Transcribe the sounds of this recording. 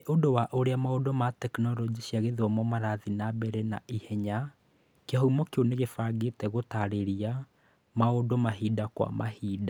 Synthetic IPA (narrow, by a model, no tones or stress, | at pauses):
ʔodowaʔoɾeamaodomatɛknɔɾɔd͡ʒiɕjaɣeðɔmɔmaɾaðinabɛɾɛna̰ʔihɛɲa | keɦɔumɔkeoneɣefaɡetɛɣotaɾeɾia | maodomaɦidakwa̰ma̰hiːda